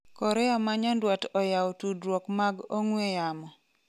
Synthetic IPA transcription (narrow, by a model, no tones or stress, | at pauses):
kɔɾɛamaɲandwatɔjaotudɾwɔkmaɡoŋwejamɔ